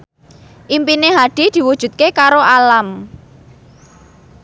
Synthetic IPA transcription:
ʔimpineɦaɖ̥i̤d̪̥i̤wud̥ʒ̥ṳt̪̚kekaɾoʔalam

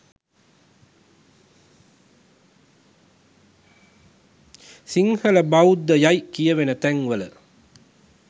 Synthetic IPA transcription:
siŋhələbawud̪ːəjajkijəʋenət̪æŋʋələ

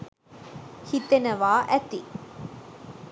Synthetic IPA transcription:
hit̪ːɐnɐʋaːʔæt̪ːi

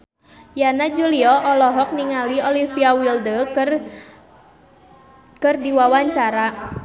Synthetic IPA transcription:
janad͡ʒuliɔʔɔlɔɦɔk̚niŋaliɔlifiawildə | kərdiwawaɲt͡ʃaɾa

